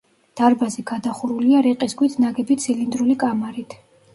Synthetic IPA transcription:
d̪̥aɾbazɛɡad̪aχuɾuliaɾɛqʼisɡwit̪ʰnaɡɛbit̪sʰilind̪ɾulikʼamaɾit̪ʰ

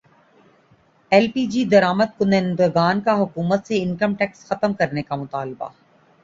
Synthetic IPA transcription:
ɛlpiːd͡ʒid̪ɐɾaːməd̪̚kʊnẽnd̪əɡaːnkaɦʊkuːmət̪seɪnkəmʈɛːksxɐt̪əmkɐɾnekamʊt̪aːlba̰

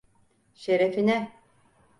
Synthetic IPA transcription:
ʃeɾefinɛ

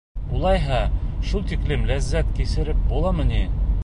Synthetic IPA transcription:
ulˠɑjɦɑʃulˠt̪iklɘmlæzːæt̪kisɘ̆ɾɘp̚bulˠɑmɤ̆ni

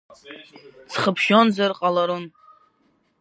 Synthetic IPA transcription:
t͡sʰχəpʰʃonzarqʼalaɾun

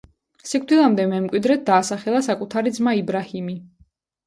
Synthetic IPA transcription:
sikʼʰd̪ilˠamd̪ɛmɛmkʼwid̪ɾɛt̪̚d̪aːsaχɛlˠasakʼut̪ʰaɾid̪zmaibɾahimi

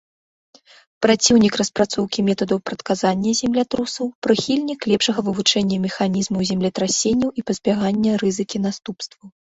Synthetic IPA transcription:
pɾat͡sʲiwnʲikrɐspɾat̪sɔwkʲimʲɛt̪ɐd̪ɐwpɾɐt̪kazanʲːɐzʲɛmlʲat̪ɾusɐwpɾɨxʲilʲnʲiklʲɛpʂɐɣɐvɨvut͡ʂɛnʲːɐmʲɛxanʲizmɐwzʲɛmlʲɛt̪ɾasʲenʲːɐwʔipɐzʲbʲaɣanʲːɐrɨzɨkʲin̪ast̪upst̪vɐw

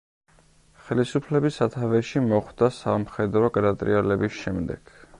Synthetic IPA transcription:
χɛlisupʰlɛbisat̪ʰavɛʃimɔχd̪asamχɛd̪ɾɔɡɾat̪ʼɾḭɛlɛbisʃɛmd̪ɛ̰ɡ̥

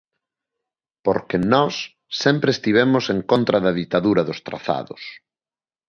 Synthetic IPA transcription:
poɾkenɔsː | ɛmpɾest̪iβ̞emʊseŋkont̪ɾɐðɐðit̪aðuɾɐðʊst̪ɾa̰θa̰ðʊ̰s

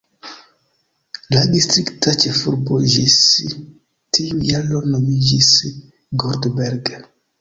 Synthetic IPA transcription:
ladist̪ɾiktat͡ʃefuɾboʒis | tijujalonomid͡ʒis | ɡoɾdbeɾɡ

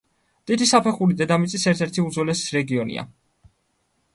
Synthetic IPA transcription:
t̪ʼid̪isapʰɛχulid̪ɛd̪amit̪sʼisɛɾt̪ʰɛɾt̪ʰiud̪zɔlɛsi̥sɾɛɡiɔnḭa̰

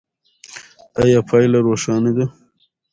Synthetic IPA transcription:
ajɑːpʰɑːjlaɾoːʂɑːnid̪a

